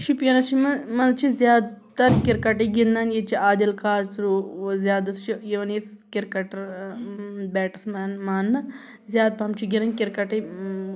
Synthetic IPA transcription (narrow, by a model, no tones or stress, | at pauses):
ʃipjɐnɐt͡ʃʰimɐmɐnt͡ʃʰizʲjaːd̪t̪ɐɾkʲiɾkɐʈɐɡinːɐnjet͡ʃʰiaːd̪ɐlkaːɾt͡sɾuːzʲjaːd̪ɐst͡ʃʰijeʋɐnjes | kiɾkɐʈɐɾ | bɛːʈismɐnmaːnːɐ | zjaːd̪̚pɐmt͡ʃʰiɡinɐnkiɾkɐʈɐ